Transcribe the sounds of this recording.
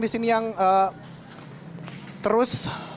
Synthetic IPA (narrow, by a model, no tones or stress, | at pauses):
disinijaŋə | t̪əɾʊs